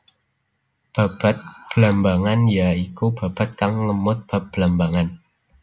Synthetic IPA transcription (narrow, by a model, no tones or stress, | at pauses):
b̥a̤b̥a̤t̪̚b̥əlambaŋanjaikub̥a̤b̥a̤t̪̚kaŋləmʊt̪̚b̥a̤p̚b̥əlambaŋan